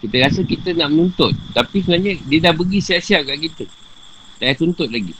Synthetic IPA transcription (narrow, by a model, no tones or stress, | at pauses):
kit̪əɾasəkit̪ənaʔmənunt̪ʊt̪̚ːapisəbnaɲə̃diədahbəɡisiaʔsiakaʔkit̪u | sajat̪unt̪ʊt̪̚laɡḭ